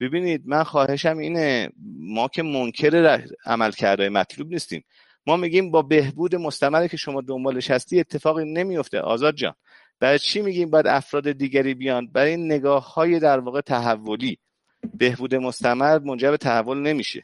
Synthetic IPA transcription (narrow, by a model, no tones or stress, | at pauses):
b̥e̞biːniːd̪̚mænxɒːhe̞ʃæmiːnemɒːkʰe̞moŋcʰe̞ɾeɾæ̰mælcʰæɾd̪ɒːjemæt̪ʰluːbniːst̪ḭːm | mɒːmiːɟiːmbɒːbe̞hbuːd̪e̞most̪æmæɾiːcʰe̞ʃo̞mɒːd̪o̞mbɒːle̞ʃhæst̪iːet̪ʰːe̞fɒːɣiːne̞mijo̞ft̪ʰe̞̰ʔɒ̰ːzɒːd̪̚d͡ʒɒ̰ːn | b̥æɾet͡ʃʰimiːɡiːmbɒjæd̪æ̰fɾɒːd̪e̞d̪iːɡæɾiːbijɒːnd̪̚bæɾɒːjene̞ɡɒːhːɒːje̞d̪æɾvɒːɣe̞t̪ʰæɦævːoliː | b̥e̞hbuːd̪e̞mo̞st̪æmæɾmo̞nd͡ʒæɾbet̪ʰæhævːo̞lne̞miːʃḛ